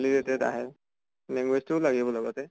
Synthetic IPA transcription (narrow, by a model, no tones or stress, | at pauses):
lizɛtɛta̰ɦɛ | niŋwestulaɡibɔlɔɡɔtɛ